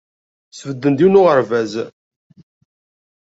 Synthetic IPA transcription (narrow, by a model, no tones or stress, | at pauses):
svəd̪ːənd̪iwnʊʁəɾvæz